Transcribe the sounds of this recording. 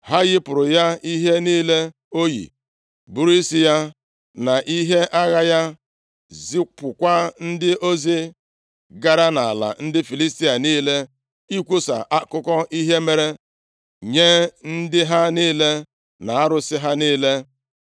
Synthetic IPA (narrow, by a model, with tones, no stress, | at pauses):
hɦa˦ɣɪ˦pʊ˨ɾʊ˨ja˦i˦ɦe˦niː˦le˦ | o˦jḭ˨ | bu˨ɾi˦si˦ja˦ | na˨ʔi˦ɦe˦ʔa˦ɣa˦ja˦ | zi˦kʊ˨kʷa˦n̩˦dɪ˦ʔo˦zi˦ | ɡa˦ɾa˦na˨a˨la̰˨n̩˦dɪ˦fi˨li˦sti˦a˨niː˦le˦ | i˦kʷu˦sa̰˨ʔa˦kʊ˦kɔ˦ʔi˦ɦe˦me˦ɾe˦ | ɲe˦n̩˦dɪ˦ɦa˦niː˦le˦ | na˨a˦ɾʊ˦sɪ˦ɦa˦niː˦le˦